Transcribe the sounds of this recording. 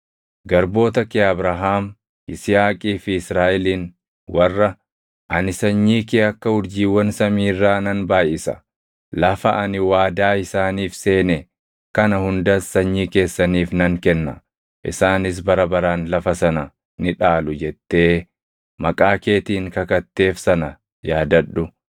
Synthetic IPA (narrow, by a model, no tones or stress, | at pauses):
ɡɐɾbo̞ːt̪ɐkɪɐbɾɐɦaːm | ɪsɪaːkʼiːfɪɪsɾaːʔɛliːn | wɐrːɐ | ʔɐnɪsɐɲːiːkɪɐkːɐhʊɾd͡ʒiːwːɐnsɐmiːrːaːnɐnbaːjɪsɐ̥̰ | lɐfɐʔɐnɪwaːd̪aːɪsaːniːfse̞ːnɛ | kɐnɐhʊnd̪ɐsɐɲːiːke̞ːsːɐniːfnɐŋkɛnːɐ̰ | ʔɪ̰saːnɪs̬bɐɾɐbɐɾaːnlɐfɐsɐnɐ | nɪᶑaːlʊd͡ʒɛt̪ːe̞ː | mɐkʼaːke̞ːt̪iːŋkɐkɐt̪ːe̞ːfsɐnɐ | jaːd̪ɐɗːʊ